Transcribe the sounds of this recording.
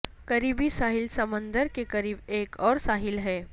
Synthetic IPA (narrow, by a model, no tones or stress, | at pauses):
kɐɾiːbisaːɦɪlsɐmə̃nd̪əɾkekɐɾiːbeːkɔːɾsaːɦɪlɦɛː